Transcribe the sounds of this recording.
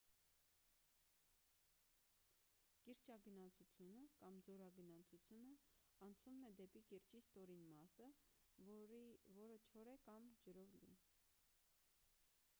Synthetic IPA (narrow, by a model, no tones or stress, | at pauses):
kiɾt͡ʃɑɡənɑt͡sʰut͡sʰjunəkɑmd͡zɔɾɑɡənɑt͡sʰut͡sʰjunəɑnt͡sʰumnɛd̪ɛpikiɾt͡ʃist̪ɔɾinmɑsə | vɔɾət͡ʃʰɔɾɛkɑmd͡ʒəɾɔvlḭ